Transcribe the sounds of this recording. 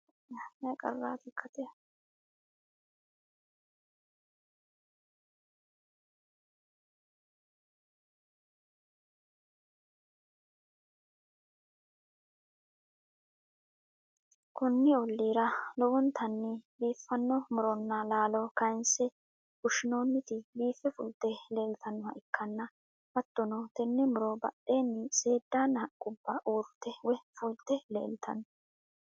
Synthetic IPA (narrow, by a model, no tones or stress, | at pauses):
nɐkʼɐ̰rːaːt̪ɪkʰːɐt̪ɛ | kʊnːɪɔlːiːɾɐlɔwʊnt̪ɐnːɪbiːfːɐnːɔmʊɾɔnːɐlaːlɔkɐjnsɛ | ʊʃɪnoːnːɪt̪ɪbiːfːɛfʊlt̪ːɛle̞ːlt̪ʰɐnːɔɐ̰ʔɪkːɐnːɐ | bɐt̪ːɔnɔt̪ɛnːɛmʊɾɔbɐ̰ɗe̞ːnːɪse̞ːd̪ːaːnɐkʼʊbːɐʔuːɾt̪ːɛwɛfʊlt̪ːɛle̞̰ːlt̪ʰɐ̰n